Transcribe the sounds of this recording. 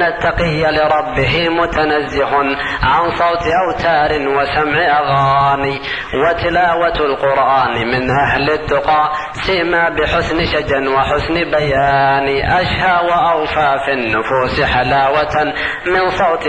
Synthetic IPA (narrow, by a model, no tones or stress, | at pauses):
nat̪ːɑqɪjːalɪɾˤɑbːɪɦɪmʊt̪anazːɪɦʊn | ʕansˤɑwt̪ʔawt̪ʰaːɾɪnwasamʕɪʔaɣaːni | wɪt̪ɪlaːwat̪lqʊɾʔaːnmɪnʔaɦlɪd̪ːʊqɑːʔ | sɪʔmaːbɪħʊsnʃad͡ʒnwɪħʊsnbajaːniʔaʃhawaʔawfafinːʊfuːsħalaːwat̪ | mɪnsˤɑwt̪